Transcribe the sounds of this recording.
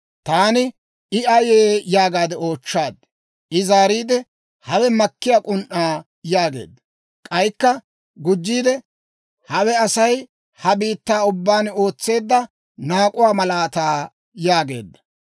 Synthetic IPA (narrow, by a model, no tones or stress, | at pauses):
t̪aːnɪ | ɪɐjeːjaːɡaːd̪ɛo̞ːt͡ʃːaːd̪̚ | ʔɪzaːɾiːd̪ɛ | hɐwɛmɐkːɪjaːkʼʊnʔːaː | jaːɡe̞̰ːd̪ːɐ | kʼɐjkːɐ | ɡʊd͡ʒːiːd̪ɛ | hɐwɛɐsɐj | hɐbiːt̪ːaːʊbːaːno̞ːt͡sːe̞ːd̪ːɐ | naːkʼʊwaːmɐlaːt̪aː | jaːɡe̞ːd̪ːɐ̥